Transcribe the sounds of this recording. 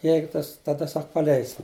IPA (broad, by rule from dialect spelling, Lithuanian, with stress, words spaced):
ˈjɛɪɡʊ ˈtɐs tɐˈdɐ ˈsɐk pɐˈlʲɛɪsʲɪm